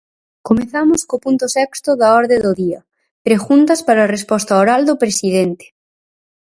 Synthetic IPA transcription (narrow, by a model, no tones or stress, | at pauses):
komeθamʊskopunt̪ʊsɛkst̪ʊðaɔɾðed̪oðiɐ̰ | pɾeɣunt̪ɐspaɾaːrespɔst̪aoɾald̪opɾesiðent̪e̥